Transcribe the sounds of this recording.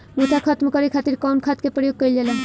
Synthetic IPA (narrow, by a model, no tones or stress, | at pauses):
motʰakʰət̪mkəɾikʰat̪iɾkɔmkʰat̪kepɾəjoɡ̚kəjlelən